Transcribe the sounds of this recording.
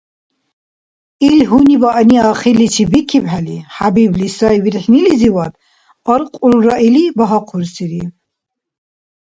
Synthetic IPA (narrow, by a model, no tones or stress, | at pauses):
ilɦunibaʔniaχilit͡ʃʰibikʰibħaliħabiblisaiviɾħniliziwad̪ | ɔɾqʼulɾaʔilibaɦaqʰuɾsiɾi